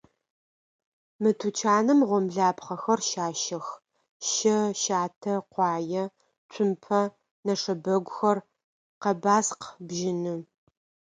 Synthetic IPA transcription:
mɨtʰut͡ʃʰaːnɨmʁʷɔmɮaːpχɐxɐrʃaːʃɐx | ʃɐʃaːtʰɐqʷɑːjɐ | t͡ʃʷʰʼʊmpʰɐ | nɐʂɐbɐɡʷʊxɐr | qɐbaːsqbʒɪnɨ

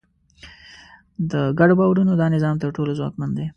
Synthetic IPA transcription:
d̪əɡaɖobɑwaɾunod̪ɑnɪzɑmt̪əɾʈolozwɑ̰kmand̪e

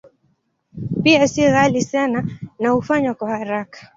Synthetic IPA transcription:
piasiɣalisananahufaɲwakwahaɾakḁ

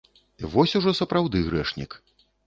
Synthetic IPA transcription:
ivɔsʲuʐɔsɐpɾawd̪ɨɣɾɛʂnʲḭk

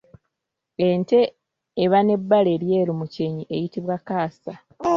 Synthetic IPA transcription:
ente̞ː | βane̞bːale̞ɾje̞ːɾumuceɲiʔejitiβwakaːsa

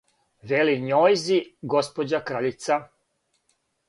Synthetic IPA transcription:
ʋeliɲojziɡo̞spod͡ʑakɾaʎit̪sa

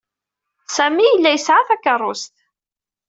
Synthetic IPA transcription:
sæmijəlːæjəsʕaθækːərˤːʊst̪

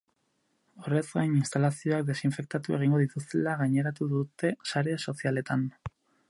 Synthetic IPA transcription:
o̞re̞zɡajninst̪alasio̞ak̚d̪e̞siɱfe̞k̚t̪at̪ue̞ɣ̞iŋɡo̞ðit̪ust̪elaɣajɲe̞ɾat̪uðut̪e̞saɾeso̞siale̞t̪an

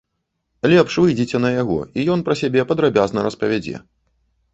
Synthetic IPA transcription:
lʲɛpʂvɨjd͡zʲit͡sʲɛnɐjaɣɔ̰ijɔnpɾɐsʲabʲɛpɐd̪ɾabʲaznɐɾɐspɐvʲad͡zʲɛ̰

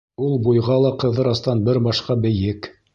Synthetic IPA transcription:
ulˠbujʁɑlˠɑqɤ̆ðɤɾɑst̪ɑnbɘɾbɑʃqɑbɘ̆jɘk

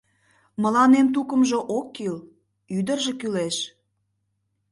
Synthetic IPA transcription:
mə̆lɑnemt̪̬ukə̆mʒŏʔokːil | yd̪ərʒĕkyleʃ

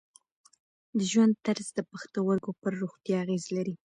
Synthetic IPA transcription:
d̪əʒwand̪̚t̪aɾzd̪əpaxt̪awaɾɡopəɾːoxt̪jɑːɣezlaɾi

